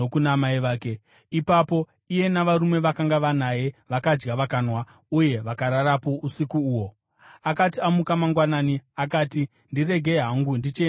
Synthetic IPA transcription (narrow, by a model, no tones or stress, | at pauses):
okunamaiʋaːke | ipapo̞ | ije̞naʋaɾume̞ʋakaŋɡaʋanaje̞ʋakad͡ʒɡaʋakanwa | uje̞ʋakaɾaɾapo̞ʔusikuːwo̞ | akatiamukamaŋɡwanaːniak̬aːti | ndire̞ɡʱe̞ɦaŋɡundit͡ʃe